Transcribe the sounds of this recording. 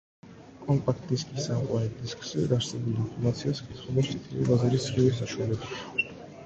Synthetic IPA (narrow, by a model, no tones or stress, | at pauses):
kʼɔmpʼakʰt̪ʼiskʼisamqʼwaɾɛd̪iskʰʼsɛd̪aɾsɛvuliimpʰɔɾmat̪sʰiaskʼisʰχɛlɔɾt̪ʰit̪ʰiɾɛ̰vazɛɾisχiɛsaʃwalɛb